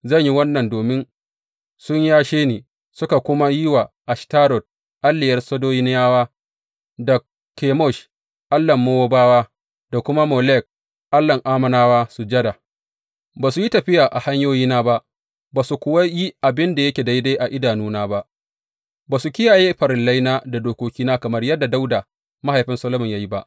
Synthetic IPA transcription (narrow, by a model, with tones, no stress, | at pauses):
zɐ˦˨ɲji˦wɐ˦nːɐ˨ndoː˨mɪ˦n | sʊ˦ɲjaː˦ʃeː˦neː˨ | sʊ˦ka˨kʷʊ˦ma˦ji˦wa˨ʔa˨ʃtaː˦ɾɔ˨d̚ | ʔa˦lːɪ˨jɐ˦rsɐ˦doː˦jɪ˦n˦jaː˦waː˦ | dɐ˨k | kːeː˨mɔ˦˨ʃ | ʔa˦lːɐ˨mːo˦wo˦baː˦waː˦ | da˨kʷʊ˦ma˦mɔ˨lɛ˦˨k̚ | ʔa˦lːɐ˨ŋʔaː˦mɐ˨naː˦waː˦su˨d͡ʒɐ˦da˨ | baː˨su˨ji˦tɐ˨ɸɪ˦jaː˨ʔa˨ha˦ɲjoː˦jiː˦naː˦ba˦ʔ | baː˨su˨kʷʊ˨wa˦ji˦ʔa˨bɪ˦nda˨jɐ˦kʲeː˨da˦jda˦ʔa˨ʔɪ˦daː˨nuː˦naː˦ba˦ʔ | baː˨su˨kʲɪ˦jaː˨jeː˦ɸɐ˨ɾɪ˨la˦jnaː˦da˨doː˨kʷoː˦kʲiː˦naː˦kɐ˨mɐ˦rjɐ˦dːa˨da˦wda˨ | ma˦ha˨jɸɪ˦nsɐ˦lɐ˦mʊ˨ɲjaː˦ji˦ba˦ʔ